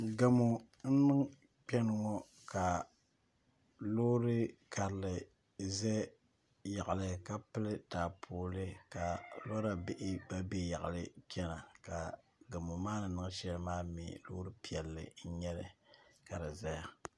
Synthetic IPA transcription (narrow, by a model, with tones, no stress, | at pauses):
ɡa˨mo˨ | n̩˦nɨ˦ŋ | k͡pɛ˦nɨ˦ŋɔ˦ | ka˨ | lo˦ɾɨ˦ka˨ɾlɨ˨ | zɛ˦ | ja˨ʔa˨lɨ˨ka˦pɨ˦lɨ˦taː˨pʰoː˦lɨ˦ka˨lɔ˦ɾa˨bɪ˦ʔɪ˦ba˦be˦ja˨ʔa˨lɨ˦t͡ʃɛ˦na˨ka˨ | ɡa˨mo˨maː˦nɨ˨nɨ˦ŋ˦ʃɛ˦lɨ˦maː˦mḭ˨loː˦ɾɨ˦pi˦ɛ˨lːɨ̰˨n̩˦ɲɛ˦lɨ˨ka˨ɾɨ˨za˦ja˦